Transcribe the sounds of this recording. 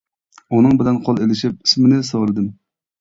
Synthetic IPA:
unɨŋbɪlɛnqʰɑlˠelɪʃɪp̚i̥smɪnɪsɑʁlˠɨd̪ɨm

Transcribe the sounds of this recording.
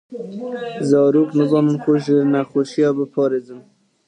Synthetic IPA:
zɑːɾuːknɨbɑmɨnxʊʒɨnæxoʃijɑːbəpʰɑːɾeːzɨm

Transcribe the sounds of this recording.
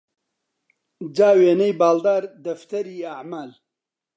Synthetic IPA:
d͡ʒaːweːnɐjbaːld̪aːɾd̪ɐft̪ɐɾiːaʕmaːl

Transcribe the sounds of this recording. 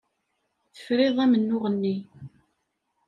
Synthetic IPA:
θə̥fɾeðˤæmənːʊʁənːi

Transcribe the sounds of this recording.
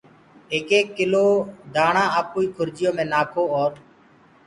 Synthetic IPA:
eːkeːkːɪloːd̪ʱaːɳãːəːpoːiːkʰʊɾd͡ʒɪjõːmẽːnaːkʰoːoːɾ

